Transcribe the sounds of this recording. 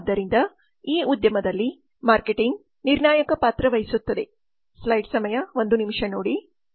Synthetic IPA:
d̪ːɐɾind̪ɐ | iːud̪jɐmɐd̪ɐlːi | maːɾkeʈiŋɡ | niɾɳaːjɐkɐpaːt̪ɾɐʋɐjisut̪ːɐd̪e̞ | slɐjɖsɐmɐjɐʋo̞nd̪unimʂɐnoːɽi

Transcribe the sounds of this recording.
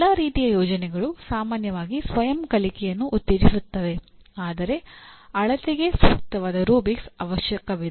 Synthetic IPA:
aːɾiːt̪ijɐjɔːd͡ʒɐnɛɡɐɭusaːmaːnjɐʋaːɡisʋɐjɐmkɐlikɛjɐnːuʔut̪ːeːɾisut̪ːɐʋe̞aːd̪ɐɾe̞ɐɭɐt̪iɡe̞sʋɐk̚t̪ɐʋaːd̪ɐɾoːbiksɐʋɐʃjɐkɐʋi

